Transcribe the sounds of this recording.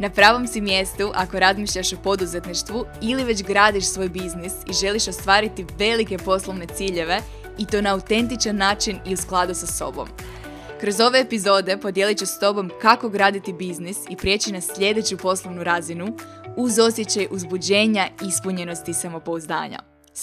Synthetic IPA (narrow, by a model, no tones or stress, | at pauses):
napɾaːʋo̞msimje̞st̪uʔako̞ɾazmiʃʎaʃupo̞d̪uze̞t̪niʃt̪ʋuiliʋe̞d͡ʑɡɾaːd̪iʃsʋo̞ːjbiznisiʒe̞liʃo̞st̪ʋaːɾit̪iʋe̞like̞po̞slˠoʋne̞t̪siːʎe̞ʋe̞ | it̪o̞ːnaːut̪e̞nt̪it͡ʃanːaːt͡ʃiniusklˠad̪usaso̞̰bo̞̰m | kɾo̞zo̞ʋe̞ːpizo̞ːd̪e̞po̞d̪je̞lit͡ɕest̪o̞bo̞mkako̞ɡɾaːd̪it̪ibiznisipɾije̞ːt͡ɕinasʎʲe̞d̪e̞t͡ɕupo̞slˠoʋnuɾazinu | uzo̞sje̞t͡ɕajʔuzbud͡ʑe̞ːɲaispuɲe̞no̞st̪isamo̞po̞uzd̪a̰ːɲa̰